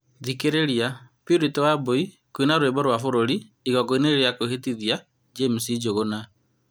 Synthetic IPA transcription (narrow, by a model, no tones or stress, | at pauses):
ðikeɾeɾiapiɾitowaboi | koinaɾwembɔɾwafoɾoɾi | iɣɔkoineɾeɾjakoɦetiðja | d͡ʒemusid͡ʒoɣona